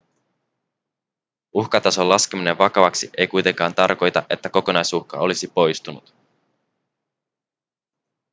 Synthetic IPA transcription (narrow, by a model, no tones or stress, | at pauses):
uxkɑt̪ɑso̞lːɑsk̟emine̞ʋʋɑkɑʋɑksiʔe̞jkujt̪e̞ŋkɑːnt̪ɑrko̞jt̪ɑʔe̞t̪ːæko̞ko̞nɑjsuxkɑ̰o̞lisipo̞jst̪unut̪